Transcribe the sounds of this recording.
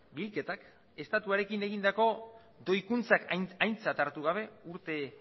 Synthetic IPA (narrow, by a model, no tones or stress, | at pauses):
bilke̞t̪ak | e̞st̪at̪uaɾe̞kine̞ɣ̞ind̪ako̞ | d̪o̞jkunt͡sakajnt͡sat̪aɾt̪uɣ̞aβ̞e̞uɾt̪e̞